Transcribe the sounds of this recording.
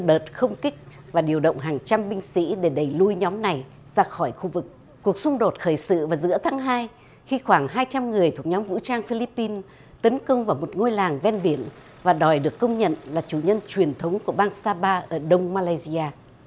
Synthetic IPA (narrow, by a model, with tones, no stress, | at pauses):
ɗəː˨˩t̚xə˧wŋ͡mkï˦˥k̟̚ | vaː˨˩ɗi˨˩əwɗə̰˧˨wŋ͡mɦaː˨˩ŋt͡ɕa˧mɓï˧ŋ̟sḭ˧˥ɗe˧˩ɗə˧˩jlu˧jɲɔ˨˦mna˨˩j | z̥aː˧xɔ˧˩jxu˧vɨ˨˩k̚ | ku˨˩ək̚sʊ˧ŋ͡mɗo˨˩t̚xəː˧˩jsɨ̰˧˨vaː˨˩zɨ̰˧˥ət̪ʰaː˨˦ŋɦaː˧j | xi˧xwaː˧˩ŋɦaː˧jt͡ɕa˧mŋɨ˨˩əjt̪ʰu˨˩ə˩k̚ɲɔ˨˦mvṵ˧˥t͡ɕaː˧ŋfi˧li˦˥pːi˧n | t̪ə˨˦nkə˧wŋ͡mvaː˨˩wmo˨˩t̚ŋo˧jlaː˨˩ŋvɛ˧nɓi˧˩ən | vaː˨˩ɗɔ˨˩jɗɨ˨˩əkːə˧wŋ͡mɲə̰˧˨nlaː˨˩t͡ɕu˧˩ɲə˧nt͡ɕwi˨˩ənt̪ʰə˨˦wŋ͡mku˧˩əɓaː˧ŋsaː˧ɓaː˧ʔəː˧˩ɗə˧wŋ͡mmaː˧laː˧jzi˧aː˧